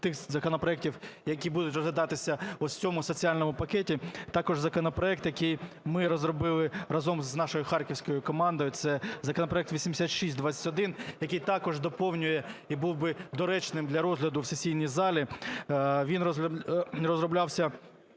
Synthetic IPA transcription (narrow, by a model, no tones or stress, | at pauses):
t̪ɪxzɐkɔnɔpɾɔɛk̚tʲiwjɐkʲibud̪ʊtʲɾrɔzʋʲɪd̪ɑt̪ɪsʲɐɔt͡sʲɔmʊsɔt͡sʲiɑlʲnɔmʊpɐkɛtʲit̪ɑkɔʒzɐkɔnɔpɾɔɛk̚t̪jɐkɪj | mɪɾɔzrɔbɪlˠɪɾɐzɔmznɑʃɔjʊxɑrkʲɪwsʲkɔjʊkɔmɑnd̪ɔjʊsɛzɐkɔnɔpɾɔɛk̚t̪ʋʲisʲimd̪eɪsʲat̪ʃisʲt̚ʲd̪ʋɑt͡sʲːɐ̥tʲɔd̪ɪnjɐkɪjt̪ɑkɔʒd̪ɔpɔwnʲʊjɛibuwbɪd̪ɔɾɛt͡ʃnɪmd̪lʲɐɾɔzɦlʲɐd̪ʊwsesʲijnʲijzɑlʲi | ʋʲinrɔlʲɐrɔzɾɔblʲɑwsʲɐ